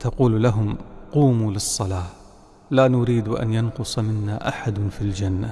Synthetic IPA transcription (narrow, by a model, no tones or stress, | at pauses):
t̪ɑquːllaɦʊmquːmuːlɨsˤːɑlaː | laːnʊɾiːd̪ʔa̰njanqʊsˤmɪnːa̰ʔaħad̪ʊfild͡ʒanːa̰